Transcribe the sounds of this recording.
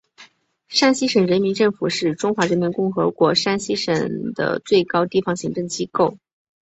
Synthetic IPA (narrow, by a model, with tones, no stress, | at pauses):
ʂa˥nɕi˥ʂə˨˩ŋɻə˧˥nmi˧˥nʈ͡ʂɤ˥˩ŋfu˨˩ʂɻ̩˥˩ʈ͡ʂʊ˥ŋxwa˧˥ɻə˧˥nmi˧˥nkʊ˥˩ŋxɤ˧˥kwɔ˧˥ʂa˥nɕi˥ʂə˨˩ŋd̪̥ə̰˧˩t͡swe˥˩ɪkɑ˥ʊt̪i˥˩fɑ˥˩ŋɕi˧˥ŋʈ͡ʂɤ˥˩ŋt͡ɕi˥ko˥˩ʊ